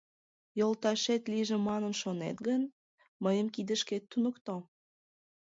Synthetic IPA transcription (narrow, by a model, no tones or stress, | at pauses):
jolt̪ɑʃet̪liʒemɑnənʃonḛt̪ɡən | məjəmkid̪ə̆ʃket̪ːunə̆kt̪o